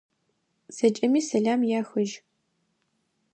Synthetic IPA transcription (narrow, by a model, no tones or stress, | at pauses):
z̥ɐt͡ʃʼɐmiːsɐɮaːmjaːxɐʒ